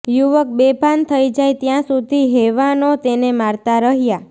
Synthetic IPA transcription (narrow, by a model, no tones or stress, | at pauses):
juʋək̚bebʱant̪ʰəid͡ʒajt̪jãsud̪ʱiɦeʋanot̪enemaɾt̪aɾəɦja